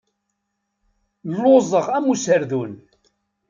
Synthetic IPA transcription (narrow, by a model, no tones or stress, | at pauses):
lːozˤəʁæmusəɾðun